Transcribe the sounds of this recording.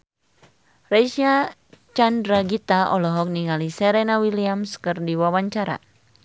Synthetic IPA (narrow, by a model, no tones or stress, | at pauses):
raʃia | t͡ʃandɾaɡit̪aʔɔlɔɦɔk̚niŋalisɛɾɛnawiliamskɨrdiwawaɲt͡ʃaɾa̰